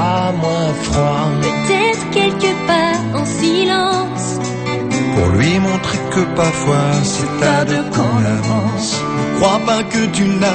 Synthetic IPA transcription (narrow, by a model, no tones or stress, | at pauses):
amwɛ̃fχaɛt̪ɛt̪kʲɛlkəpaɑ̃silɑ̃ | s | pɔ̰lɥimɔ̃t̪χekəpavwaʁsɛt̪ad̪əəkɔ̃laɑ̃s | əkχwapɛ̃kət̪yna